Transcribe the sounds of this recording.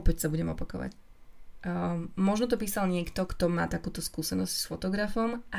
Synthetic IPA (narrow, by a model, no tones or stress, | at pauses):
ɔpɛcsabuɟɛmɔpakɔʋa̰c | mɔʒnɔt̪̬ɔpiːsalɲɪɛkt̪ɔkt̪ɔma̰ːt̪akuːt̪ɔskuːsɛnɔscsfɔt̪ɔɡɾafɔmʔa